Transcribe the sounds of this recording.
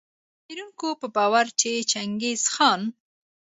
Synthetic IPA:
teɾuŋkopəbɑwaɾt͡ʃʰet͡ʃaŋɡezxɑn

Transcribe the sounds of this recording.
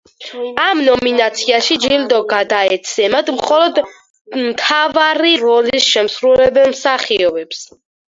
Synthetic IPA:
amnɔminat̪sʰiaʃid͡ʒild̪ɔɡad̪aɛt̪sʰɛmad̪mχɔlɔd̪ | mt̪ʰavaɾiɾɔlisʃɛmsɾulɛbɛnmsaχiɔbɛps

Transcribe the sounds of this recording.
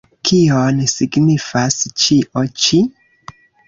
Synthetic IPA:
kʰionsiɡnifast͡ʃiʔot͡ʃi

